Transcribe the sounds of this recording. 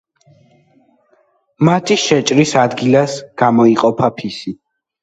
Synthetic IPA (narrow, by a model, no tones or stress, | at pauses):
mat̪ʰiʃɛt͡ʃʼɾisad̪ɡilasɡ̥amɔiqʼɔpʰapʰisi